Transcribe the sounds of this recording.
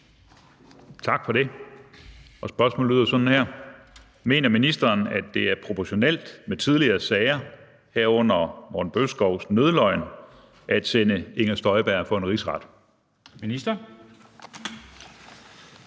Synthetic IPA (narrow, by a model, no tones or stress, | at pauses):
t͡sʰɑ̈ɡ̥fɒ̽ɾ̥e̝ | ɒ̽sb̥ɶɐsmɔ̰ːlyðˠɐsɒ̽d̥n̩hæɐ̰ | me̝̰ːnɐminisd̥ɐːnæd̥ːe̝æɐpʰʁo̝pʰɒɕo̝nel̰d̥met͡sʰið̞ˠliɐːsɛːɪɐ | heɐ̰ɔ̽n̰ɐmɒ̰dn̩b̥øsɡ̥ɒʊ̰snøð̞ˠlɒ̽ɪn | ʔæd̥senəe̝ŋɐsd̥ɒ̽ɪb̥æɐ̰fɒ̽e̝nʁisʁɑ̈d̥ | minisd̥ɐ